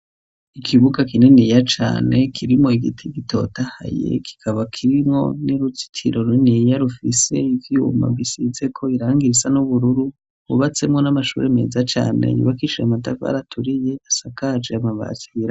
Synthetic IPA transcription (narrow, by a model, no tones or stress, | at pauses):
ikʰiβuɡakinenijat͡ʃa̰ːne̞kʰiɾimŋo̞iɡitʰiɡitʰo̞̰taha̰je̞̰kʰi̥kʰaβakʰiɾimŋo̞̰niɾut͡si̥tʰḭɾo̞ɾinijaɾufise̞ivjṵma̰bɡisize̞kʰo̞iɾaːŋɡiɾisanuβuɾuɾu | βṵβat͡se̞mŋo̞namaʃṵːɾʔe̞me̞ːzat͡ʃa̰ːne̞̰jṵβakit͡ʃiamatava̰ɾatʰuɾije̞asakad͡ʒeamaβa̰ziiɾa